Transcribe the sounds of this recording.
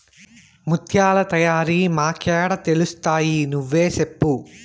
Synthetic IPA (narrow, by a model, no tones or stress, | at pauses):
mut̪ʰjaːlɐt̪ɐjaːɾimaːkɛːɽɐt̪e̞lust̪aːjinuʋːeːsepːu